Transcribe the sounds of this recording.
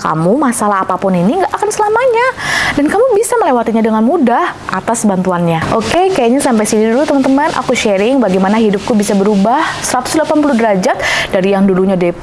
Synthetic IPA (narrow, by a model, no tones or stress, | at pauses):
ka̰mumasalaɦapapʊniniŋɡaʔakansəlamaɲadankamubisaməlewat̪iɲadəŋanmudaha̰t̪asbant̪uanɲaʔokekajaʔɲasampajsinidulut̪əmənt̪əmanʔa̰kuʃeɾɪŋbaɡajmanaɦidʊp̚kubisabəɾubahsəɾat̪ʊ̥sdəlapanpuludəɾad͡ʒat̪̚daɾijaŋduluɲadɛ